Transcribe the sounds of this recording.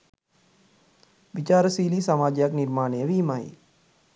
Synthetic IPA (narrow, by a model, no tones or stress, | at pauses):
ʋit͡ʃaːɾəsiːliːsamaːd͡ʒejakniɾmaːnejəʋiːmaj